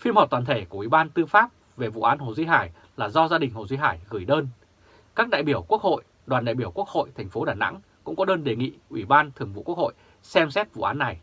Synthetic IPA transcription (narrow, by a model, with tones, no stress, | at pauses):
fi˧mhɔː˨˩t̪waː˨˩nt̪ʰe˧˩ku˧˩əwi˧˩ɓaː˧nt̪ɨ˧faː˦˥p̚ | ve˨˩vṵ˧˨ʔaː˨˦nho˨˩zi˧ɦaː˧˩j | laː˨˩zɔ˧zaː˧ɗï˨˩ŋ̟ho˨˩zi˧ɦaː˧˩jɣɨ˧˩jɗəː˧n | kaː˦˥k̚ɗa̰ː˧˨jɓi˧˩əwku˦˥ək̚ho̰˧˨j | ɗwaː˨˩nɗa̰˧˨jɓi˧˩əwku˦˥ək̚ho̰˧˨jt̪ʰɛ˨˩jŋ̟fo˨˦ɗaː˨˩na̰˧˥ŋ | kʊ̰˧˥ŋ͡mkɔ˨˦ɗəː˧nɗe˨˩ŋḭ˧˨ʔwi˧˩ɓaː˧nt̪ʰɨ˨əŋvṵ˧˨ku˦˥k̚ho̰˧˨j | sɛ˧msɛ˦˥t̚vṵ˧˨ʔaː˨˦nːa˨˩j